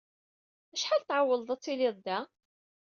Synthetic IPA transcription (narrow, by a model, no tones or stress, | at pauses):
æʃħalt̪ʕawːəlˤðˤæt͡sˤːiliðˤd̪æ